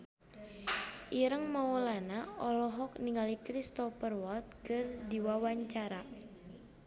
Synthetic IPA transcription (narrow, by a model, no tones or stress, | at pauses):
ʔiɾəŋmaɔlanaɔlɔɦɔk̚niŋalikɾist̪ɔfərwɔlt̪̚kərdiwawaɲt͡ʃaɾa